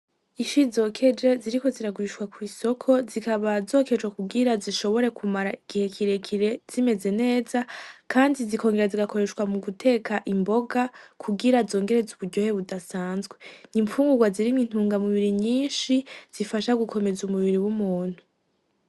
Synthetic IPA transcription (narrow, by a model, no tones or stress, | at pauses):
iʃizo̞kʰe̞d͡ʒaziɾiko̞ziɾaɡuɾiʃwakwiːso̞kʰo̞zikaβazo̞ːke̞d͡ʒwakuɡiɾaziʃo̞βo̞ɾe̞kʰumaɾaiɡ̥ihe̞kʰiɾe̞kʰiɾe̞z̥ime̞ze̞ne̞ːzakʰaːndizikʰo̞ːŋɡe̞ɾaziɡako̞ɾe̞ʃkwamuɡutʰe̞ːkʰaʔimbo̞ɡakʰuɡiɾazo̞ːŋɡe̞ɾe̞zuβuɾɟohe̞βudasaːnzɡweniɱfuːŋɡuɡwaziɾimin̥uːŋɡamuβiɾiɲiːnʃiz̥ifaʃaɡukʰo̞me̞zumuβiɾiwumuːn̥hu